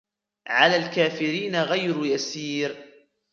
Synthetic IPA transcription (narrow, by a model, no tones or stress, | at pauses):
ʕalaːlkaːfɪɾiːnaɣajɾʊjasiːɾ